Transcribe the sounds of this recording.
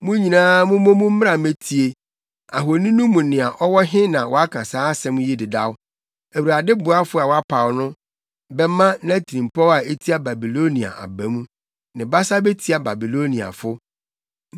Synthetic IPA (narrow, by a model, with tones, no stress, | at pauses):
mʊ̃˦ɲĩ˨nãː˦mʊ̃˦mʊ̃˦mʊ̃˦m̩˦m˦a˨me˦tʰi˨e˨ | a˨ɦo˨nĩ˦nũ˦mũ˨nɪ̃˨a˨ʔɔ˦wɔ˦ɦɪ̃˦nã˨wɔ˨a˦kʰã˨saː˦sɛ̃˦mũ˦ji˦dɪ˨da̰˦wʊ˦ | æ˨wu˨ɾa˨dɪ˦bʊ˨a˦fʊ˦a˨wa˦pʰa˨wnʊ̃˦ | bɛ˦mã˦nã˦tʰi˨ĩ˨m˨pʰɔ˦a˨e˦tʰi˦a˦ba˨bi˨lo˦nĩ˨a̰˨ʔa̰˨bæ̃˨˦mũ˦ | nɪ̃˨ba˦sa˦be˦tʰi˨˦a˨ba˨bi˨lo˦nĩ˨a̰˨fʊ˦